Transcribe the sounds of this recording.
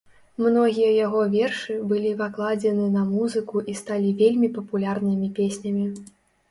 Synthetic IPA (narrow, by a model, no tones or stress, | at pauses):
mnɔɣʲijɐjaɣɔvʲɛrʂɨbɨlʲivaklˠad͡zʲɛnɨnɐmuzɨkuʔist̪alʲivʲelʲmʲipɐpulʲarnɨmʲipʲesʲnʲɐmʲi